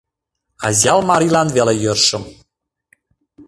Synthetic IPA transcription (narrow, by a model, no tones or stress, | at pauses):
ɑ̰zʲjɑlˠmɑɾilˠɑnvelejɤ̆rʃɤ̆m